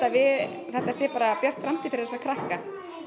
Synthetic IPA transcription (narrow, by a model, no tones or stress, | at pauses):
t̪avɪ | θɛht̪asjɛpaːɾapjœr̥t̪fɾamt̪ʰifɪɾθɛsakʰɾahka